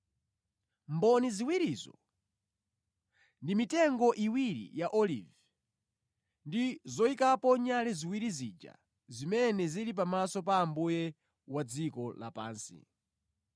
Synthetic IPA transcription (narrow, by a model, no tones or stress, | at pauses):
mbɔniziwiɾizɔ̰ | ndimitɛŋɡɔʔiwiɾḭjaʔɔlḭv | ndizɔikapɔɲalɛziwiɾizid͡ʒa̰ | zimɛnɛziɾip̬amasɔpaːmbujɛ | wad͡zikɔla̰pa̰ːnsḭ